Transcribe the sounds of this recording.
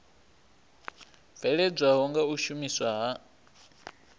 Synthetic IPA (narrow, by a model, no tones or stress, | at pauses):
v̥ɛɺɛb͡ʐʷaɦɔŋɡauʃumiswaɦa